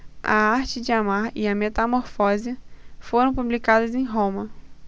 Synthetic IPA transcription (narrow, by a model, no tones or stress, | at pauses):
ɐ̰aɾt͡ʃɪd͡ʒɪamaɾɪɐmet̪amoɾfɔzɐfoɾɐ̃w̃publikad̪ɐzẽj̃ɦõmɐ